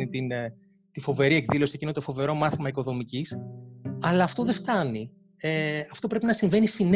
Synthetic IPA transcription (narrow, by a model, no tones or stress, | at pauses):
nit̪in | t̪ifo̞ve̞ɾie̞kðilo̞siecinot̪ofo̞ve̞ɾo̞mɐθimɐiko̞ðo̞micisɐlɐːft̪o̞ðe̞ft̪ɐni | eɐft̪o̞pɾe̞pinɐsiɱve̞nisin